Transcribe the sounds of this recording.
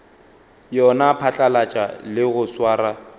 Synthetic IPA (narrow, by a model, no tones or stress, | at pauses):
jɔnapʰat͡ɬʼalat͡ʃʼa̰lɪɣʊswaːra